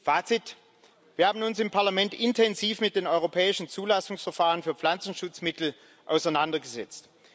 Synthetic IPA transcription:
faːt͡sɪt | v̥iːɐhaːbmn̩ʊnsɪmpʰaɐlamɛntʔɪntʰɛnziːfmɪt̚d̥eːnɔʏʁ̞opʰɛːɪʃn̩t͡suːlasʊŋsfɛɐfaːʁənfyːɐflant͡sn̩ʃʊt͡smɪtl̩ | ʔa̰ʊsaɪnandɐɡəzɛ̰t͡st

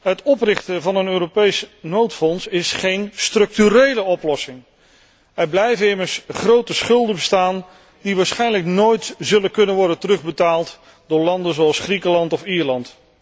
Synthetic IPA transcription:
ɦətɔprɪχtəvɑnənøːropejsnowtfɔnsɪsχejnstrɵk̚tyɾejləɔplɔsɪŋ | ɛɹblɛjvəɪməɹsχrowtəsχɵlˠdəbəstaːn | diʋaːɹsχɛjnləknoːjtzɵləkɵnənʋɔɹdəntərɵχbətaːlˠt | d̥ʊːɹlɑndənzoɑlˠsχrikəlɑntɔfiːɹlɑnt

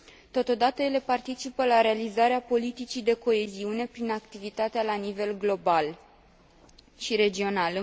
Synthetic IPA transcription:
t̪o̞t̪o̞d̪at̪əje̞le̞part̪it͡ʃipəlaɾe̞alizaɾeapo̞lit̪it͡ʃid̪e̞ko̞e̞ziune̞pɾinakt̪ivit̪at̪ealanive̞lɡlo̞bal | ʃiɾe̞d͡ʒio̞nal

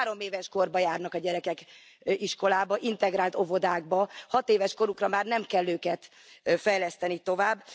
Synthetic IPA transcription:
ɾo̞meːvɛʃko̞rbɒjaːrnɒkɒɟɛɾɛkɛk | iʃko̞laːbɒʔint̪ɛɡɾaːlt̪o̞vo̞d̪aːɡ̚bɒhɒt̪eːvɛʃko̞ɾukrɒmaːrnɛmkɛlːøːkɛt̪ | fɛjlɛst̪ɛnit̪o̞vaːbː

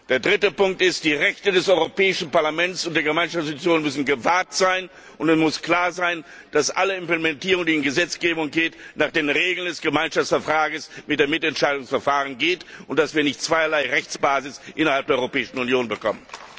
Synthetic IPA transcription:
d̥eːɐdʁɪtəpʊŋk̚tɪst̚d̥iːʁɛçtədɛsʔɔʏʁopɛːɪʃn̩paɐlamɛnt͡sʊnt̚d̥eːɐɡəmaɪnʃaft͡sstt͡sjoːnmʏsn̩ɡəvaɐtz̥aɪn | ʔʊntɛsmʊskl̥aːɐzaɪn | d̥asʔaləɪmpləmɛntiːʁʊŋdiːɪnɡəzɛt͡sɡ̥eːbʊŋɡeːtnaːχd̥eːnʁeːɡl̩ndɛsɡ̥əmaɪnʃaft͡sfɛɐfʁ̥aːɡəsmɪtd̥eɐmɪtɛntʃaɪdʊŋsfɛɐfaːʁənɡeːtʊnt̚d̥asv̥iːɐnɪçtt͡sv̥aɪɐlaɪʁɛçt͡sb̥aːzɪsʔɪnɐhalp̚deːɐɔʏʁopɛːɪʃn̩ʊnjoːnbəkʰɔ̰mən

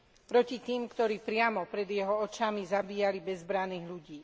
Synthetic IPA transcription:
pɾɔcit̪iːmkt̪ɔɾiːpɾɪamɔpɾɛd̪jɛɦɔɔt͡ʃamizabiːjalibɛzbɾaniːɣʎuɟiː

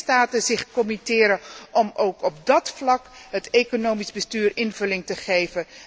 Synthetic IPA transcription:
staːtəzɪχkɔmitɪːɾəʔɔmowkɔb̚dɑtflɑkɦətejkonowmizbəstyːrɪnvɵlɪŋtəχejvə

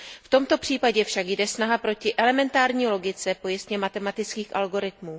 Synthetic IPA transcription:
ft̪o̞mt̪o̞pr̥iːpaɟɛfʃakjdɛsnaɦapɾo̞cɪʔɛlɛmɛnt̪aːɾɲiːlo̞ɡɪt͡sɛpo̞jɪst̪ɲɛmat̪ɛmat̪ɪt͡skiːxʔalɡo̞ɾɪt̪̚muː

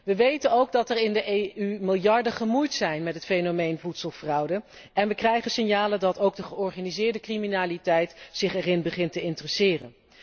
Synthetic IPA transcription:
ʋəʋejtənowɡ̚dɑtɛrɪndəʔeymɪlˠjɑɹdəχəmujtsɛjnmɛtɦətfejnomejnvutsəlˠfrʌwdə | ɛnʋəkrɛjχənsɪnjaːlədɑtowɡ̚dəχəɔɹχaːnizɪːɹdəkriminaːlitɛjtsɪχɛrɪnbəχɪntəɪntərəsɪːrə̰n

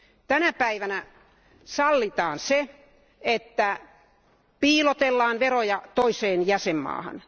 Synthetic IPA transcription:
t̪ænæpæiʋænæ | sɑlːit̪ɑːnse | et̪ːæ | piːlot̪elːɑːnʋerojɑt̪oiseːnjæsemːɑ̰ːhɑ̰n

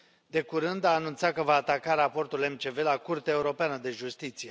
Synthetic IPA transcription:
d̪e̞kuɾɨnd̪aːnunt̪satkəvaːt̪akaɾapo̞rt̪ule̞mt͡ʃe̞ve̞lakurt̪eaeuɾo̞peanəd̪e̞ʒust̪it̪sije̞

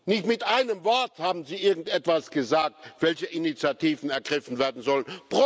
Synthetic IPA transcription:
nɪçtmɪtʔaɪnəmvɔɐthaːbm̩ziːʔɪɐɡŋ̩tʔɛtv̥asɡ̥əzaːk̚tv̥ɛlçəʔinit͡sjatʰiːvn̩ɛɐɡʁɪfn̩veːɐdn̩zɔlənb̥ʁo

